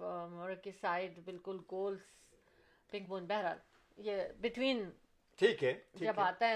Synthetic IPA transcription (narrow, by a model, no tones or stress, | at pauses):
mɔɾəkisaːɪɖbɪlkʊlɡoːls | pɪ̃ŋk̚bõːnbɛɦɾa̰ːl | jebɪt̪ʋiːn | ʈʰiːkɦɛjɐbaːt̪aɦɛ